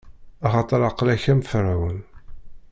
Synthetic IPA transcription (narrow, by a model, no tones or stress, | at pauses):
ɑχɑt̪ˤəɾˤɑqlæçæmfɾawən